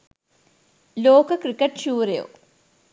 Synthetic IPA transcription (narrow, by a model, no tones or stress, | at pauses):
loːkɐkrikːɐʈɕuːɾɐjo̰ː